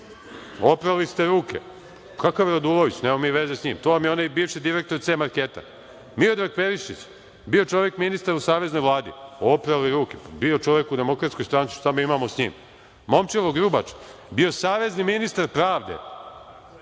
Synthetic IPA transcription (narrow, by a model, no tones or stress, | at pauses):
o̞pɾalist̪eɾuːkʰe̞̰ | kʰakaʋjɾod̪ulˠoʋit͡ɕnemomiːʋezesɲiːmt̪oːʋamjeonajbiːʋʃid̪iɾek̚t̪oɾt̪semaɾkeːt̪a̰ | miod̪ɾaɡ̚peɾiʃit͡ɕ | bio̞t͡ʃo̞ʋje̞kminist̪aɾusaːʋe̞zno̞jʋlˠaːd̪ḭo̞pɾaliɾuːkepbio̞t͡ʃo̞ʋekud̪e̞mo̞kɾat̪ko̞jst̪ɾantsi̥ʃt̪amiimamosɲḭːm | mo̞mt͡ʃeloɡɾubat͡ʃbio̞saːʋe̞zniminist̪aɾpɾaːʋd̪ḛ